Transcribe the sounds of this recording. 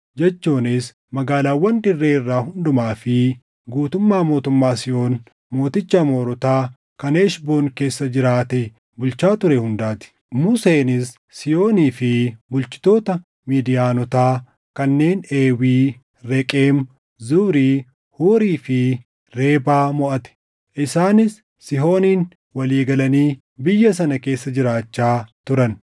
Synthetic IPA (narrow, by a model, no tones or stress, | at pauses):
d͡ʒɛt͡ʃːuːnɪs | mɐɡaːlaːwːɐnd̪ɪrːeːɪrːaːhʊnd̪ʊmaːfɪ | ɡuːt̪ʊmːaːmo̞ːt̪ʊmːaːsɪjo̞ːn | mo̞ːt̪ɪt͡ʃːamo̞ːɾɔt̪aː | kɐneːʃboːnke̞ːsːɐd͡ʒɪɾaːt̪ɛ | bʊlt͡ʃaːt̪ʊɾɛhʊnd̪aːt̪ɪ̥ | mʊseːnɪs | sɪjo̞ːniːfɪbʊlt͡ʃɪ̥t̪o̞ːt̪ɐ | miːd̪ɪjaːnɔt̪aː | kɐnːe̞ːne̞ːwiː | ɾɛkʼeːm | zuːɾiː | huːɾiːfɪ | ɾe̞ːbaːmɔʔɐt̪ɛ̥ | ʔɪsaːnɪsː | ɪɦo̞ːniːn | wɐliːɡɐlɐniː | bɪjːɐs̬ɐnɐke̞ːsːɐd͡ʒɪɾaːt͡ʃːaːt̪ʊɾɐn